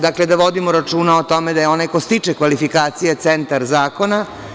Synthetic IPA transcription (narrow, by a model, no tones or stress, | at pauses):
d̪akled̪aʋo̞d̪imoɾat͡ʂuːnaot̪o̞med̪ajeo̞najkost̪it͡ʂekʋalifikaːt̪sijet̪sent̪aɾzaːko̞na